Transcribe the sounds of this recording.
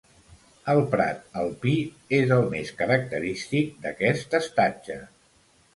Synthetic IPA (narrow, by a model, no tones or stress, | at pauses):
əlˠpɾa̰t̪̚əlˠpi | ezəlˠmeskəɾək̚t̪əɾist̪ik̚d̪əkɛst̪əst̪ad͡ʒə